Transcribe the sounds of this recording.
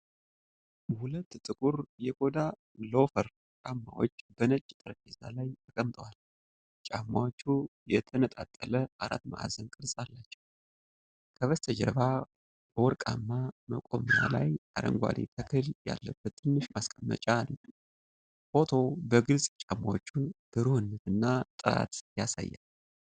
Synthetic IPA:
hulət̪ːt̪ʼɨkʼuɾjɛkʰo̞d̪a | lo̞fəɾ | t͡ʃʼamːawo̞̰t͡ʃːbənət͡ʃʼːt̪ʼɨɾəkʼiza̰lajt̪ʰəkʼəmt̪ʼəwal | t͡ʃʼamːawot͡ʃːujɛt̪ʰənət̪ʼat̪ʼːələʔaɾa̰t̪ma̰ʔa̰zənkʼɨɾsʼalːat͡ʃːɛw | kʰəβəst̪ʰəd͡ʒəɾβa | bəwɔɾkʼamːaməkʼo̞məɾala̰jaɾə̰ŋɡʷa̰lit̪ʰəkʰɨlja̰lːəbːət̪ːʰɨnːɨʃmaskʼəmːə̰t͡ʃʼan | fo̞t̪ʰo̞bəɡɨlsʼt͡ʃʼamːawot͡ʃːunb̥əɾuhɨnːət̪ʰɨnːat̪ʼɨɾa̰t̪jasa̰jːal

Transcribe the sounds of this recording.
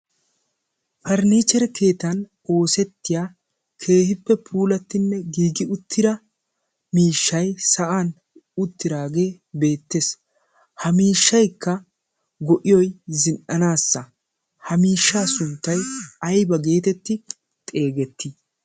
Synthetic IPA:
fɐɾniːt͡ʃɛɾɛkʰe̞ːt̪ɐn | o̞ːsɛt̪ːɪjaː | kʰe̞ːhɪpːɛpʰuːlɐt̪ːɪnːɛɡiːɡɪʊt̪ʰːɪɾɐ | miːʃːɐjsɐʔaːn | ʊt̪ːɪɾaːɡe̞ː | be̞ːt̪ːeːs | hɐmiːʃːɐjkːɐ | ɡɔʔɪjɔjzɪnʔɐnaːsːɐ | hɐmiːʃːaːsʊnt̪ːɐjɐjbɐɡe̞ːt̪ɛt̪ːɪ | t̪ʼe̞ːɡɛt̪ʰːɪ

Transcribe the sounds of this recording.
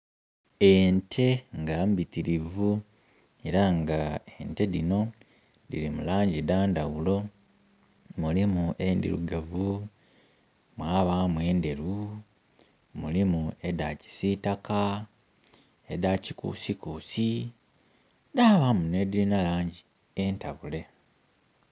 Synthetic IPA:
entʰe̞ŋɡambitiɾivu | e̞ɾaŋɡaente̞ðino̞ | dḭɾimulaːɲɟidaːndawulo̞ | mulimuʔendḭɾṵɡavu | mwaːβamwe̞ːnde̞ɾu | mulimue̞daci̥sitaka | edacikṵsikuːsi | daːβamunedilinalaːɲɟi | e̞ntaβule̞

